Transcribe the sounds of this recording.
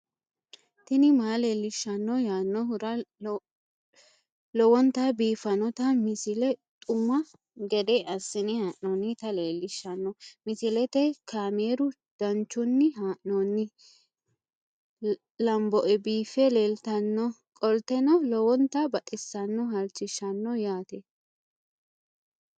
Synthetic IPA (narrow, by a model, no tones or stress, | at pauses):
t̪ɪnɪmaːleːlːɪʃːɐnːɔjaːnːɔhʊɾɐ | lɔwɔnt̪abiːfɐnɔt̪ɐmɪsɪlɛt̪ʼʊmɐ | ɡɛd̪ɛʔɐsːɪnɪhaːʔnɔnːɪt̪ɐleːlːɪʃːɐnːɔmɪsɪlɛt̪ɛkʰaːmeːɾʊ | d̪̥ɐnt͡ʃːʊnːɪɦaːʔnɔnːɪ | lɐmbɔʔɛbiːfɛleːlt̪ɐnːɔ | kʼɔlt̪ɛnɔlɔwɔnt̪ɐbɐt̪ʼɪsːɐnːɔɦɐlt͡ʃːɪʃːɐnːɔjaːt̪ɛ